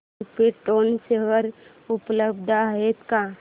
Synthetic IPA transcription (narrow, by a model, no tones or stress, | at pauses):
peʈoːnseʋəɾ | ʊpləb̚d̪ʱaet̪ka